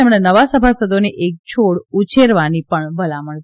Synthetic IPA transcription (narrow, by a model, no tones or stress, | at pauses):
emɳ̃enəʋasəbʱasəd̪oniʔek̚t͡ʃʰoɽut͡ʃʰeɾʋanipəɳbəlaməɳ